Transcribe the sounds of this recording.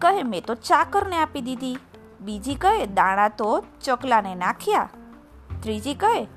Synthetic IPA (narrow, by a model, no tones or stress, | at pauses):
kəɦemɛ̃t̪ot͡ʃakəɾneapid̪id̪i | bid͡ʒikəɦed̪ãɽ̃ãt̪ot͡ʃəklanenakʰja | t̪ɾid͡ʒikəɦe